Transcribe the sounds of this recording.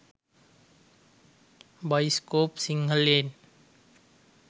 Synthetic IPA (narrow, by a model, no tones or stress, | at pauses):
bʌjskopsiŋɡʱʌlen